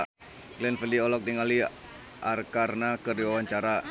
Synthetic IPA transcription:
ɡlɛnfəldiɔlɔk̚d̪iŋali | ʔarkarnakərdiwawaɲt͡ʃaɾa

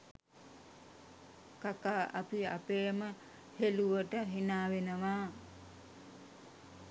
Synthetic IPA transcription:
kakaːʔapiapeːmə | heluʋəʈəɦinaːʋenəʋaː

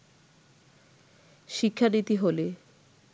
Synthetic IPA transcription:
ʃikʰːanit̪iɦole

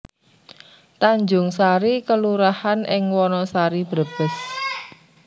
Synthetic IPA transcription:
t̪aɲd͡ʒʊŋsaɾikəluɾahanʔɪŋwɔnɔsaɾibɾəb̥əs

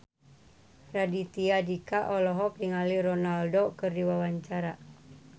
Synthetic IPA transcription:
radit̪iadikaʔɔlɔɦɔk̚diŋalirɔnaldokɨrdiwawaɲt͡ʃaɾa

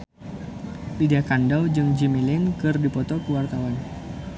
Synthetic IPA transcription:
lidakandawd͡ʒɨŋd͡ʒimilɪnkɨrdipɔt̪ɔkəwart̪awan

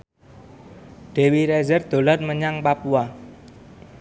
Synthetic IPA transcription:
ɖ̥e̤wiɾɛzərd̪̥o̤larməɲaŋpapua

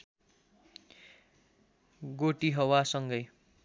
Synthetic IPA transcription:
ɡoʈiɦʌwasʌŋɡʌj

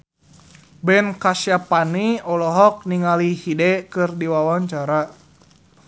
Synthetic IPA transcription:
bɛnkasjapaniɔlɔɦɔk̚niŋalihidɛkɨrdiwawaɲt͡ʃaɾa

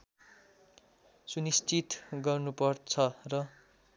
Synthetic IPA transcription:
sunist͡sit̪ɡʌrnupʌrt͡sʰʌrʌ

